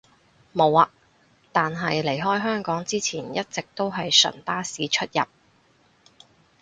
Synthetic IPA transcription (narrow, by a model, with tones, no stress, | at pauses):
mo˨˧waː˧ | t̪aː˨nɦɐ˨jle˨˩jɦɔː˥jɦœː˥ŋkɔː˨˥ŋt͡siː˥t͡sʰiː˨˩njɐ˥t̚t͡sɪ˨k̚t̪o˥wɦɐ˨jsɵ̰˨˩np̪aː˥siː˨˧t͡ʃʰɵ˥t̚jɐ̰˨p̚